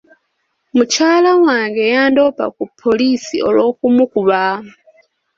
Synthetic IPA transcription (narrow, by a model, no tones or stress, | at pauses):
mucaːlawaːŋɡe̞jaːndo̞pa̰kupʰːo̞lisio̞̰lo̞ːkumukuβa